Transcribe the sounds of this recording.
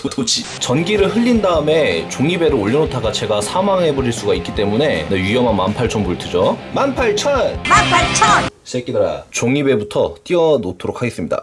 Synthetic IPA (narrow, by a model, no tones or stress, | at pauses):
totod͡ʑi | t͡ɕʌnɡiɾɯɭɦɯʎːindaɯme̞t͡ɕoŋibeɾɯoʎːinotʰaɡat͡ɕe̞ɡasʰamaŋɦe̞boɾiɭs͈uɡaik͈it͈e̞mune̞nejɥijʌmanmanpʰaɭt͡ɕʰʌnbuɭtʰɯd͡ʑomanpʰaɭt͡ɕʰʌnmanpʰaɭt͡ɕʰʌnɕʰek͈edaɾa̰t͡ɕoŋibe̞butʰʌt͈iʌnotʰoɾokʰaɡe̞s͈ɯmɲida̰